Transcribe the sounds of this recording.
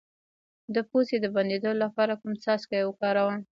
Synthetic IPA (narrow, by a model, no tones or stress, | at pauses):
d̪əposed̪əband̪ed̪ololapɑɾakʊmsɑskajwəkɑɾawəm